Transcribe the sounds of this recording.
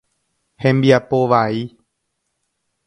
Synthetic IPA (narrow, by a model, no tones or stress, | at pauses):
hɛmbiapoʋai